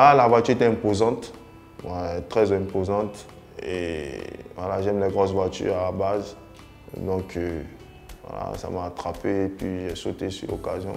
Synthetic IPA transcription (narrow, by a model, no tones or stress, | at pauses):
alavwat̪yʁet̪ɛɛ̃pozɑ̃t̪ | vaɛt̪χɛzɛ̃pozɑ̃t̪ | ḛ | vwalaʒɛmlɛɡʁɔsvwat̪y̰ʁalabaz | d̪ɔ̃kʰø | vwa̰la̰sa̰maːt̪χapepɥiʒɛsot̪esylɔ̰kazjɔ̰̃